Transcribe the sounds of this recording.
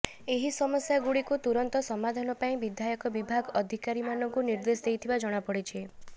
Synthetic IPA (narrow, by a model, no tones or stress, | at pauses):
eɦisɔmɔsjaɡuɽikut̪uɾɔnt̪ɔsɔmad̪ʱanɔpaĩbid̪ʱjajɔkɔbibʱaɡɔd̪ʱikaɾimanɔŋkuniɾd̪esd̪ejt̪ʰibad͡ʒɔɽ̃apɔɽit͡ʃʰe